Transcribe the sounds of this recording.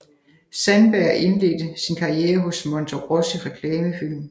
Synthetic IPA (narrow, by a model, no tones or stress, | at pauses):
sænb̥æɐ̰ʔe̝nle̝̰ːd̥əsinkʰɑ̈ieːɐɦɔ̽smɒ̽nt͡sʰoɡ̥ʁɔsiʁɛkʰlɛːməfil̰m